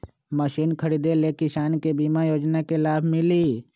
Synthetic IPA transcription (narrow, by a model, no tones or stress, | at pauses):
məʃiːnkʰəɾiːd̪elekɪʃaːnkebiːmajoːd͡ʒnakelaːbʱmɪliː